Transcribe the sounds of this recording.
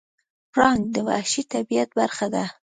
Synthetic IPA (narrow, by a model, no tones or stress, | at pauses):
fɾɑŋk̚d̪əwa̰ʃit̪abijat̪̚baɾxad̪a